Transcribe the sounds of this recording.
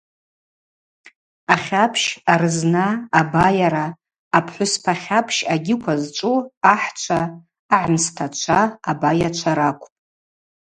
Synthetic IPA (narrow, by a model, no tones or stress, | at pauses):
aχʲapʰʃarɨznaːbajaɾaː | pʰħʷʊspʰaχʲapʰʃaɡʲɪkʷʰazt͡ʃʷʼuaħt͡ʃʷʰaː | ʕmstʰat͡ʃʷʰaːabajat͡ʃʷʰaɾakʷʰʼpʼ